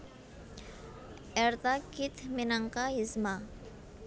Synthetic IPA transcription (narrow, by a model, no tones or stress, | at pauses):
ɛɾt̪akit̪minaŋkaizma